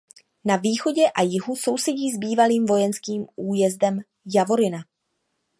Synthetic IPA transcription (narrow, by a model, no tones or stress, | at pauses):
naviːxo̞ɟɛʔajɪɦuso̞wsɛɟiːzbiːvaliːmvo̞jɛnskiːmʔuːjɛzdɛm | javo̞ɾɪna